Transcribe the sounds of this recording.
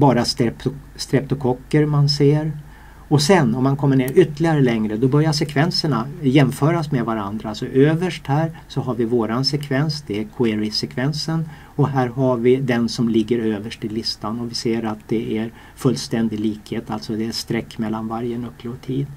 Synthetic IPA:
bɑːɾast̪ɛp | st̪ɾɛp̚t̪ɔkʰɔkːəɾmanseːɾ | ɔsɛnɔmːankʰɔmːəɳeːɾʏt̪ːlɪɡaɾəlɛŋɾəd̪ɔbœɾjaʂ̬ɛkʰvɛnsəɳajɛmfœːɾasmevaɾand̪ɾaalsɔʔøːvəʂʈhæːɾsɔɦaɾvɪvoːɾansɛkʰvɛnsd̪ɛːkʰʊeːɾɪsɛkʰvɛnsən | ɔɦæːɾɦaɾvɪd̪ɛnsɔmlɪɡːəɾøːvəʂʈɪlɪst̪anɔvɪseːɾat̪̚d̪ɛʔæɾ | fɵlːst̪ɛnd̪ɪɡliːkheːt̪alt̪sɔd̪ɛːst̪ɾɛkːmɛlːanvaɾjənɵpːloːt̪ʰiːd̪

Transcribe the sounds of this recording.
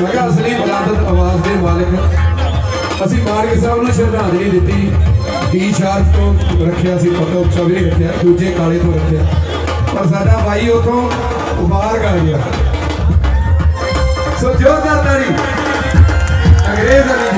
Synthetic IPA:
əːɡaːəslĩːpəd̪aːt̪ət̪əʋaːzd̪eːmaːlɪk | əsĩːmaːɾksãːʊnãːt͡ʃʰəɾnãːd̪nĩːd̪ɪt̪ːiː | kiːʃʰaːɾt̪t̪õːɾəkʰːjaːəsĩːpət̪õːʊpsãːbiɾĩːɾɪt̪ːjaːd̪uːd͡ʒeːkaːleːt̪ʰõːɾɪt̪ʰːejaː | pəɾs̬aːɖaːbaːiːot̪ʰːõː | baːɾkəɾɡɪjaː | soːd͡ʒoːk̪aːɾd̪aːɾiː | əŋɡɾeːzənãː

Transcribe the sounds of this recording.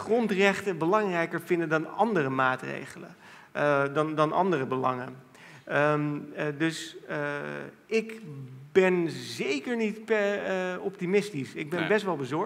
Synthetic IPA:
χrɔntrɛχtəbəlɑŋrɛjkəɹvɪndəndɑnɑ̰ndərəmaːtrḛjχələ̰ | dɑndɑnʔɑ̰ndərəbəlɑ̰ŋə̰n | dɵs | ɪkbɛnzejkəɹnitpɛɔp̚timɪstisɪɡ̚bɛnbɛstʋɛlˠbəzɔɹ

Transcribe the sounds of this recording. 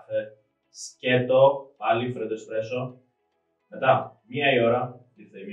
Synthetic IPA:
θe | scet̪opɐlifɾed̪ost̪ɾeso | met̪ɐmɲɐioɾɐt̪iθem

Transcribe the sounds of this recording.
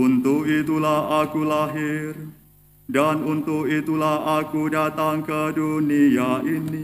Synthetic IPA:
unt̪ʊkit̪ulahakulaɦɪr | danunt̪ʊkit̪ulahakudat̪aŋkədunijaʔini

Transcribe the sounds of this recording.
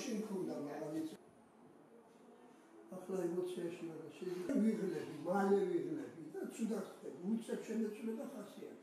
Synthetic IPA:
ʃimkʰɔnd̪amaadit̪sʼ | aχlaimɔt̪sʰɛʃimad̪asɛdikaviʁlɛbimalɛviʁlɛbid̪at̪sʰʼud̪at̪ʰɛbiult̪sʼɛpʃʰɛnɛt̪sʼulɛbaχasia̰t̪ʰ

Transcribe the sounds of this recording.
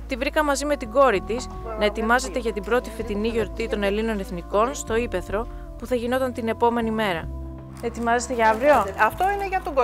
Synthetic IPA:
t̪ivɾikɐmɐzime̞t̪iɡo̞ɾit̪is | nɐe̞t̪imɐze̞t̪e̞ʝɐt̪ibɾo̞t̪ife̞t̪iniʝo̞ɾt̪it̪o̞ne̞lino̞ne̞θniko̞nst̪o̞ipe̞θɾo̞ | puθɐʝino̞t̪ɐnt̪ine̞po̞me̞nime̞ɾɐ | et̪imɐzet̪eʝɐɐvɾioɐft̪oineʝɐt̪oɡ

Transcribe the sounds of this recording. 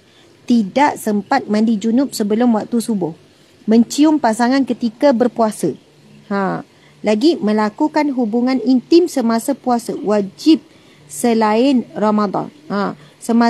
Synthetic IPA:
t̪idaʔsəmpat̪̚mãndid͡ʒunʊp̚səbəlʊmwak̚t̪usubʊh | mə̃ɲt͡ʃiʊmpasaŋãnkət̪ikabərpuasə | ã | laɡimə̃lakukanɦubuŋãnint̪ɪmsəmasapuasawad͡ʒɪp̚ | səlaɪnramad̪ɑ̰nãsəma

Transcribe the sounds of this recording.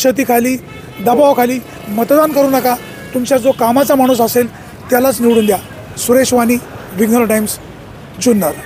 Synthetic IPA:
ɕət̪̬iːkʰaliː | d̪əbaʋkʰaliː | mət̪d̪ankəɾuːnəka | t̪umt͡ɕjad͡zokamat͡samaɽ̃uːs̬əsel | t̪jalat͡sniʋɽuːnd̪ja | suɾeɕʋaniːʋiɡnəɾʈajms | d͡ʑunːaɾ

